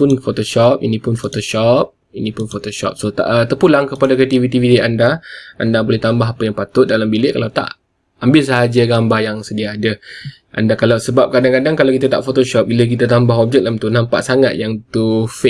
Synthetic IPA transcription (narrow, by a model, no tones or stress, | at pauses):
ʊnfot̪oʃɔp̚inipʊnfot̪oʃɔp̚ | inĩpʊnfot̪oʃɔ̰p̚sot̪a̰ʔt̪əpulaŋkəpadakriat̪ivit̪ivit̪iandaa̰ndabolɛht̪ambaɦapəjaŋpat̪ʊt̪̚dalambilɪʔkalawt̪a̰ʔ | ambɪlsaɦad͡ʒəɡambahjaŋsədiaːdə | ʔa̰ndakalawsəbap̚kadaŋkadaŋkalawkit̪ət̪a̰ʔfot̪oʃɔp̚bilək̬it̪ət̪ambaɦɔp̚d͡ʒɛk̚lamt̪unampa̰ʔsaŋat̪̚jaŋt̪ufe